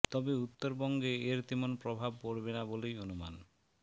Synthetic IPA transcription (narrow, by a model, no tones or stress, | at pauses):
t̪ɔbeut̪ːoɾbɔŋɡeeɾt̪imonpɾobʱab̚koɾbenabolejonuma̰n